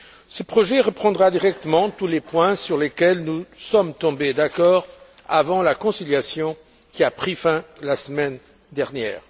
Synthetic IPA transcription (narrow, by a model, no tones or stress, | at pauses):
səpχɔʒɛʁəpχɑ̃d̪ʁad̪iʁɛk̚t̪əmɑ̃t̪ulepwɛ̃syʁlekɛlnusɔmt̪ɔ̃bed̪akɔːʁ | avɑ̃lakɔ̃siljasjɔ̃ | kʲiapχifɛ̃lasəmɛn | d̪ɛʁnjɛ̰ːʁ